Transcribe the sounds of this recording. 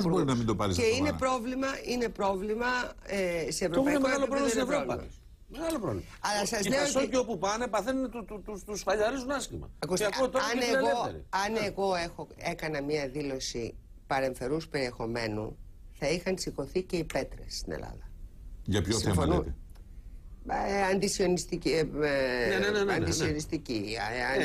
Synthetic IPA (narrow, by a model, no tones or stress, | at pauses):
boɾinɐmind̪o̞pɐɾizeinepɾo̞vlimɐine̞pɾo̞vlimɐest̪eevɾopɐinemeɣɐlopɾolimsinevɾovlɐmɐ̰ | meɣɐlopɾovli | ɐlɐsɐzleooceopupɐnepɐθent̪ut̪ut̪ut̪usfɐʎɐɾizunɐscimɐ̰ɐkusɐkut̪oɐneɣoeeɾḭɐneɣo̞exoe̞kɐnɐmɲɐðilo̞si | pɐɾe̞ɱfe̞ɾuspe̞ɾie̞xo̞me̞nṵθɐixɐnsiko̞θice̞ipe̞t̪ɾe̞sːt̪inḛlɐ̰ðɐʝɐpçosifo̰niut̪e | ɐnd̪isio̞nist̪i | enenɐnd̪isionist̪ici